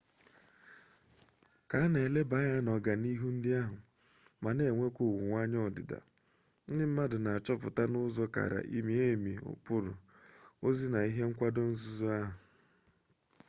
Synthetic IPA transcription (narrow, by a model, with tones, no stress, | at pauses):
ka˨a˦ne˨e˨le˦ba˨˦ja˦nɔ˨ɡa˨ni˦ɦu˦n̩˦dɪ˦a˦ɦʊ˨ | ma˨ne˨ŋʷe˦kʷʊ˨wʊ˨ŋʷa˦ɲɔ˦˨dɪ̰˨da̰˨ | n̩˦dɪ˦m̩˦ma˦dʊ˨na˨a˨t͡ʃɔ˦pʊ˨ta˦nʊ˦zɔ˦ka̰˨ɾa̰˨ʔi˦mi˦e˦˨mi˨ʊ̰˨pʊ˦ɾʊ̰˨ | o˦zi˦na˨i˦ɦe˦ŋ̩˦kʷa˦do˦n̩˦zu˦zu˦a˦ɦʊ˨